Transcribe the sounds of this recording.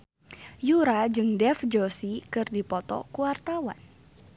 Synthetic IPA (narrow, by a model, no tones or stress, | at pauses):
juɾad͡ʒɨŋdɛfd͡ʒosikɨrdipɔt̪ɔ̰kuwart̪awa̰n